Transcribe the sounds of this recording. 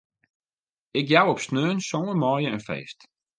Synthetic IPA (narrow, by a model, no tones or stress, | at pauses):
ɪkjawɔpsnøːnsɔəmɔːjəənfḛːst